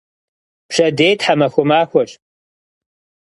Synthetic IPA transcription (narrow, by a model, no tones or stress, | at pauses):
pʂɐdeːjtʰħamɐxʷʊmaːxʷɔɕ